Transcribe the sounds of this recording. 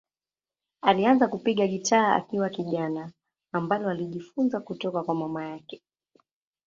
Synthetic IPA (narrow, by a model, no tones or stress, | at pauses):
alianzakupiɠaɠitaːa̰kiwakiʄanaː | mbalɔaliʄifunzakutɔkakwamamajakɛ̥